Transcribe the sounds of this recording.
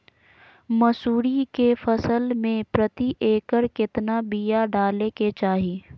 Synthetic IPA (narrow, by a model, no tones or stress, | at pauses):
mɐsuːɾikefəsəlmẽpɾət̪iʔeːkəɾkɪt̪nabijaɖaːleket͡ʃaːɦiː